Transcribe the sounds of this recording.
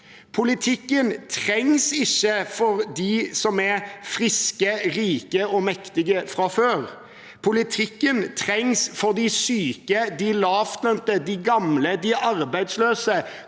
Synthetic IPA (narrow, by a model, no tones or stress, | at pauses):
pʰʊlɪt̪ʰɪkːənt̪ʰʁɛŋsɪçːəfɔɾd̪isɔmɛfʁɪskəɾiːkəɔmɛkt̪ɪɡəfɾɑføːʁ | pʰʊlɪt̪ʰɪkːənt̪ʰʁɛŋsfɔʁd̪ɪsyːkəd̪ɪlɑːft̪lœnt̪əd̪ɪɡɑmləd̪ɪʔɑʁbæɪd̪sløːsə